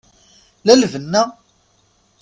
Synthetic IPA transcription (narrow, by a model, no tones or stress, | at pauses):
lælvənːæ